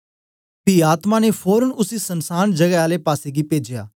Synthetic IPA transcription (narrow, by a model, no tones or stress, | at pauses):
piːaːt̪maːneːpʰoːɾənʊsiːsənsaːnd͡ʒəɡɛaːleːpaːseːɡiːpeːd͡ʒja̰ː